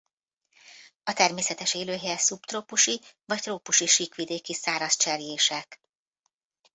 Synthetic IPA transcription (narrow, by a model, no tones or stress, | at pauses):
ɒt̪ɛrmeːsɛt̪ɛʃeːløːɦeɛsupt̪roːpuʃivɒct̪roːpuʃiʃikʋid̪eːkisaːɾɒst͡ʃɛrjeːʃɛk